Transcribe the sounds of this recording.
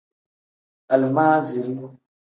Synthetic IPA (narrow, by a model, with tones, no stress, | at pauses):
a˨lmaː˦zi˨lu˦